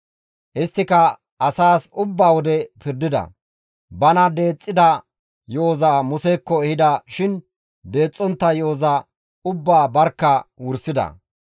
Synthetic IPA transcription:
ʔɪst̪ːɪkɐ | ʔɐsaːsʊbːaːwɔd̪ɛpɪɾd̪ɪd̪ɐ̰ | bɐnɐd̪e̞ːt͡sʼːɪd̪ɐ | jo̞ːzaːmʊsekːɔɛhɪd̪ɐʃɪn | d̪e̞ːt͡sʼːɔnt̪ːɐjo̞ːza | ʊbːaːbɐɾkːɐwʊɾsɪd̪ɐ̰

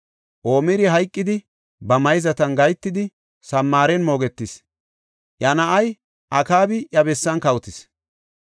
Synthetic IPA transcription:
ʔo̞ːmɪɾɪɦɐjkʼːɪd̪ɪ | bɐmɐjzɐt̪ɐnɡɐjt̪ːɪd̪ɪ | sɐmːaːɾɛnmo̞ːɡɛt̪ːɪs | ʔjɐnɐʔɐj | ʔɐkaːbɪʔjɐbɛsːɐnkɐwʊt̪ɪs

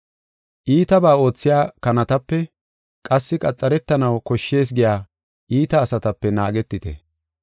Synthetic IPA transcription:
ʔiːt̪ɐbaːo̞ːt͡sːɪjaːkɐnɐt̪ɐpːɛ | kʼɐsːɪkʼɐt͡sʼːɐɾɛt̪ːɐnɐwkɔʃːe̞ːs̬ɡɪjaː | ʔiːt̪ɐːsɐt̪ɐpːɛna̰ːɡɛt̪ːɪt̪ɛ̰

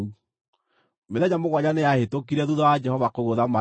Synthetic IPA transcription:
u | meðɛɲamoɣwaɲaneahetokiɾɛðuðawad͡ʒɛhɔvakoɣoðama

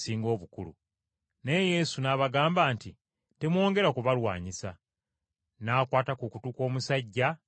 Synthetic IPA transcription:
siːŋɡo̞ːβukulṵ | ne̞je̞sunaːβaɡaːmbaːnti | te̞mwo̞ːŋɡe̞ɾakuβalwa̰ːɲisa | naːkwaːtakukutuko̞ːmusaɟːa

